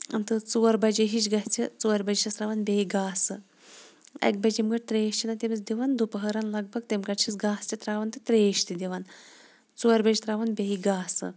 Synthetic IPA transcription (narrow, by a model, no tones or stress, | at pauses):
ɐnt̪ɨt͡suʋɐɾbɐd͡ʒiɦit͡ʃɡɐst͡sʰit͡suʋɐɾʲbɐd͡ʒt͡ʃʰɐst̪ɾaʋɐnbeiɡaːsɨ | ɐ̰k̚bɐd͡ʒimɡɐʈ̚ʲt̪ɾeːʃt͡ʃʰinɐt̪ʲemit͡sd̪iʋɐnd̪upəɦɐɾɐnlɐɡ̚bʱɐɡ̚t̪emkɐʈt͡ʃʰisɡaːst͡sit̪ɾaːʋɐnt̪ɨt̪ɾeːʃt̪id̪ʲiʋɐn | t͡suʋɐɾʲbɐd͡ʒit̪ɾaːʋɐnbʲeiɡaːsɨ̰